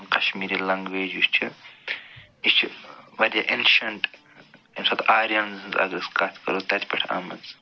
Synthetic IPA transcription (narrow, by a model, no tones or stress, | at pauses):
qɐʃmiːɾiːlɐŋɡʋeːd͡ʒust͡ʃʰi | ist͡ʃʰiʋɐɾʲjɐʔenʃɐɳʈ | imsɐt̪aːɾijɐnzɨnzɐ̰ɡɾiskaːt̪ʰkɐ̰ɾut̪ɐt̪ʲʰpʲɐʈʰa̰ːmɐnz